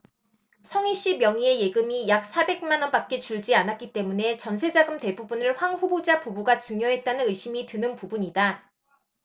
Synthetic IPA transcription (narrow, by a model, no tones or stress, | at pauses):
sʰʌŋiɕ͈imjʌŋie̞je̞ɡɯmijak̚s͈abe̞k̚manʌnbak̚k͈e̞t͡ɕuɭd͡ʑianat̚k͈it͈e̞mune̞t͡ɕʌnsʰe̞d͡ʑaɡɯmte̞bubunɯɭɸwaŋɸubod͡ʑapubuɡat͡ɕɯŋjʌɦe̞t̚t͈anɯnɯiɕ͈ʰimitɯnɯnpubuɲida